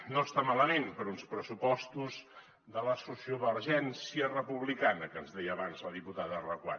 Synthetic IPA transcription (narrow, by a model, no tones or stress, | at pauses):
nost̪amaləmenpəɾunspɾəsupɔst̪uz | ðələsusioβəɾʒɛnsiərəpuβlikanəkənzðɛjəːβanzləðiput̪aðərəkwa̰